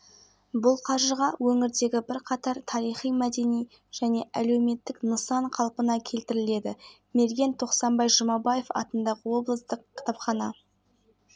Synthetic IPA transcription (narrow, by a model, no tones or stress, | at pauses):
bʊlˠqʰɑɾʒəʁɑwɵŋɪɾd̪e̞ɡʲɪbɪɾqʰɑt̪ɑɾt̪ʰɑɾijχijmæd̪e̞nij | ʒ̥æne̞ʔæle̞wme̞t̪ːɪknəsɑɴqʰɑlˠpənɑkʲʰe̞lt̪ɪɾɪle̞d̪ɪ | me̞ɾɡʲe̞nt̪ʰo̞qsɑmbɑjʒəmɑbɑje̞fɑ̰t̪ənd̪ɑʁəwo̞blˠəst̪əqʰʲːɪ̥t̪ɑpχɑnɑ